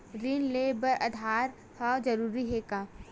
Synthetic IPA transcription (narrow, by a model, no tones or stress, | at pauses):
ɾinleːbəɾʔɐd̪ʱaːɾ | hɐd͡ʒɐɾuːɾiɦeːkaː